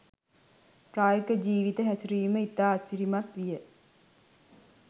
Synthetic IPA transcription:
ʈɾaːjəkəd͡ʒiːʋit̪əɦætuɾiːməit̪ːaːsiɾimat̪ʋijə

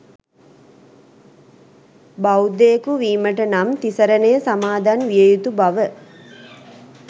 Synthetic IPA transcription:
bawd̪eːkuʋiːməʈənamt̪isəɾənejəsamaːd̪anʋijəjut̪ubaʋə

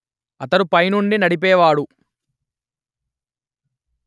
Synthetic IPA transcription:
ɐt̪ɐɾupɐjnuɳɖinɐɽip̬ɛːʋaːɽu

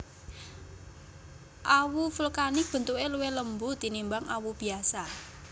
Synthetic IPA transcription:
ʔawufəlkanib̥ə̤nt̪ueluweləmbut̪inimbaŋawub̥i̤asa

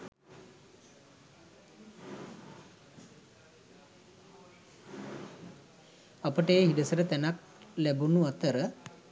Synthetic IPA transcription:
apəʈəjeɦiɖəsəɾət̪ænak̚ | læbunuat̪əɾə

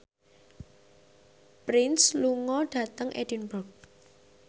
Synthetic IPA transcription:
pɾɪnsluŋɔɖ̥ä̤t̪əŋʔed̥inbɔk̚

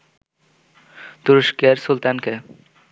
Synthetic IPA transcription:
t̪uɾoʃkeɾsult̪anke

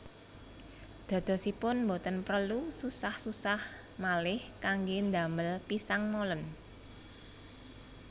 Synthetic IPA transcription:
d̪̥a̤d̪̥ɔ̤sipʊnmbot̪ənpɾəlususahsusah | malɪhkaŋɡend̪aməlpisaŋmolən

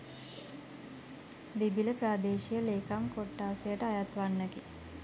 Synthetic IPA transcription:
b̪ibiləpɾaːd̪eːʃijəleːkamkoʈːaːsejəʈəajat̪ʋanːəɡi

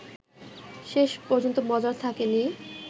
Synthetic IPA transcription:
ʃeʃpɔɾd͡ʑont̪omɔd͡ʑaɾt̪ʰakeni

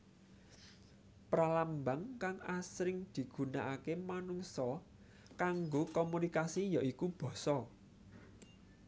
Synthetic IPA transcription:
pɾalambaŋkaŋasɾɪŋd̪̥i̤ɡ̥ṳna̰ʔakemanuŋsɔ | kaŋɡokomunikasijaʔikub̥ɔ̤sɔ

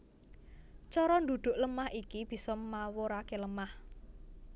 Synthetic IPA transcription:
t͡ʃɔɾɔnd̪ṳd̪̥ʊ̤ʔləmahikib̥i̤sɔmawoɾakeləmah

